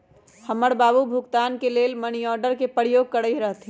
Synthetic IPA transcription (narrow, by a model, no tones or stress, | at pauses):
hɐməɽbaːbubʱʊkt̪aːnkeleːlməniɔːɾɖəɾkepəɾɪjoːɡ̚kəɽəiɾɐɦt̪ʰi